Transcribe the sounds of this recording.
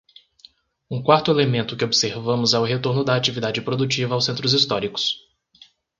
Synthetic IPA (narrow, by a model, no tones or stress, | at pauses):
ũkwaɾt̪ʊelemẽnt̪ʊkɪobɪseɾvɐ̃mʊzɛwɦet̪oɾnʊd̪ɐat͡ʃivid̪ad͡ʒɪpɾod̪ut͡ʃivɐawsẽnt̪ɾʊzist̪ɔɾikʊ̥s